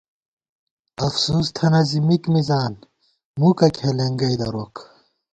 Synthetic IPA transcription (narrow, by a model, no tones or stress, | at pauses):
ɐfsuːst̪ʰɐnɐzimikmizaːn | mukɐkʰeleŋɡɐjd̪ɐɾok